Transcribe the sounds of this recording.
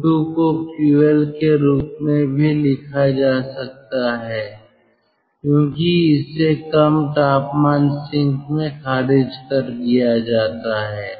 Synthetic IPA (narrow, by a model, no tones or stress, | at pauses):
ukokjuːəlkeɾuːpmẽbʱilɪkʰad͡ʒaːsɐk̚t̪aɦɛː | kjõːkiɪsːekɐmʈaːpmaːnsɪ̃ŋkmẽkʰaːɾɪd͡ʒkɐɾd̪ijad͡ʒaːt̪aɦɛː